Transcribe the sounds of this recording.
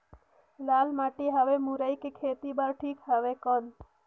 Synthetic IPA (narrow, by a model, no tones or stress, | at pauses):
laːlmaːʈiɦəʋemuɾəjkekʰet̪ibəɾʈʰiːkɦəʋekɔn